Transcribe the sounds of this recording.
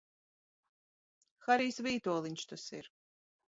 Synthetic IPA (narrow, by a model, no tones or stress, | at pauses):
xaɾiːsvʲiːt̪uɔlˠiɲʲʃt̪asḭɾ